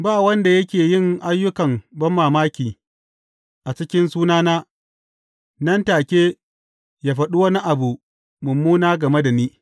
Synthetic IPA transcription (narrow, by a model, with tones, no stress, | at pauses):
baː˦˨wɐ˦nda˨jɐ˦kʲeː˨jɪ˦˨ŋʔa˦jːʊ˦kɐ˨mbɐ˦mːaː˨maː˦kʲiː˨ | ʔa˨t͡ʃɪ˦kʲɪ˦nsuː˦naː˦naː˦ | nɐ˦ntaː˨kʲeː˦ | jaː˨ɸɐ˨ɗu˦wɐ˦na˦ʔa˨bu˨ʔ | mʊ˨mːuː˦naː˦ɡɐ˨me˦da˨niː˦